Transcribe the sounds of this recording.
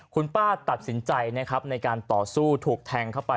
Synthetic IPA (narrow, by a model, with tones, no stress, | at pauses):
kʰu˧npaː˥˩t̪a˨˩t̪̚si˩˦nt͡ɕa˧jna˦˥kʰɾa˦˥p̚na˧jkaː˧nt̪ɔː˨˩suː˥˩t̪ʰuː˨˩k̚t̪ʰɛː˧ŋkʰa˥˩wpa˧